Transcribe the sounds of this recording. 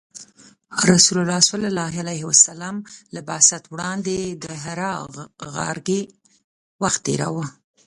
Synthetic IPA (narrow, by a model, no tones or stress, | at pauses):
ɾasulalɑswalalɑɦalajhwasalɑmlabasat̪wɽɑnd̪ed̪əɦaɾɑɣa̰ɾɡe | waxt̪̚ːeɾa̰wə